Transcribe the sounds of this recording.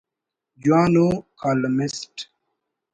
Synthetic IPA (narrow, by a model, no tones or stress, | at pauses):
d͡ʒwãnokʰalmist